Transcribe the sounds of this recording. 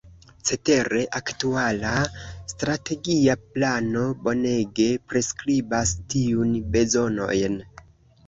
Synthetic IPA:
t͡se̞te̞ɾe̞ʔaktualastɾate̞ɡiaplano̞bo̞ne̞ɡe̞pɾe̞skɾibastiunbe̞zo̞no̞̰jn

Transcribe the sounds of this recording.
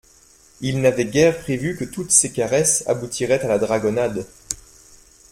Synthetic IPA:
ilnavɛɡʲɛʁpχevykət̪ut̪sekaʁɛsa̰but̪ʰiʁɛt̪alad̪ʁaɡɔnad̪

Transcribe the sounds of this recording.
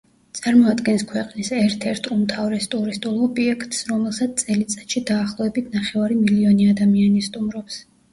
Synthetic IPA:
t̪sʼaɾmɔad̪ɡɛnskʰwɛqʼnisɛɾt̪ʰɛɾt̪ʼumt̪ʰavɾɛst̪ʼuɾist̪ʼulˠɔbiɛkʰt̪ʼsɾɔmɛlˠsat̪s̚t̪ʼɛlit̪sʼḁt̪ʃid̪aːχlˠɔɛbit̪ʰnaχɛvaɾimiliɔniad̪amianist̪ʼumɾɔps

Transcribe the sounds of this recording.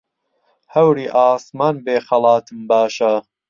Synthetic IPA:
hɐwɾiːʔaːsmaːnbeːxɐlˠɑːt̪ʰɨmbaːʃɐ

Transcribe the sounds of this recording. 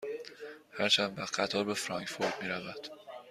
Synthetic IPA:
hæɾt͡ʃʰænd̪væxɢæt̪ʰɒːɾbe̞fɾɒŋkfo̞ɾd̪̥̚miːɾævæd̪̥

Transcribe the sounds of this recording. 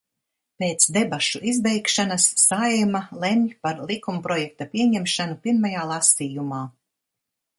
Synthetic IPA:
peːt̪sd̪ebaʃuʔizbɛjkʃanasːajmalˠɛmʲʎpaɾlˠikumpɾɔjɛk̚t̪apʲiɛɲɛmʃanupiɾmajaːlˠasiːjumaː

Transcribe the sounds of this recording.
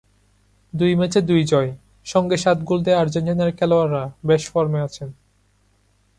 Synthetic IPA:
d̪ujmɛt͡ɕed̪ujd͡ʑɔe | ʃɔŋɡeʃat̪ɡuld̪eaɾd͡ʑeɳʈinaɾkʰɛloaɾːabeʃfɔɾmeat͡ɕʰen

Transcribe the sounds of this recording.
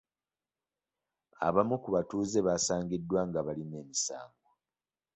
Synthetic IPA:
a̰βamukuβatuːze̞βaːsaːŋɡidːwaŋɡaβaline̞ːmisa̰ːŋɡo

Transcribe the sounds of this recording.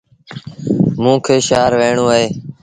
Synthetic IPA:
mũːkʰeːʃaːɾʋeːɳoːəɦeː

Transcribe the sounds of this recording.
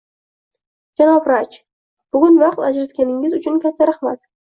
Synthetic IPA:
d͡ʒanɒbɾat͡ʃ | b̥ʊɡʲʊnvɑqt̪ad͡ʒɾat̪̚kʲanɪŋʲɪzʊt͡ʃʰʊnkʲʰat̪ʰːaɾaχmat̪

